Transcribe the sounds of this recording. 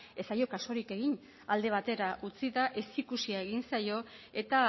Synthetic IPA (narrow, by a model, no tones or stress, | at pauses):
e̞sajo̞kaso̞ɾike̞ɣiɲ | ald̪e̞βat̪e̞ɾaʔut͡siðaʔe̞sikusiae̞ɣinsajo̞e̞t̪a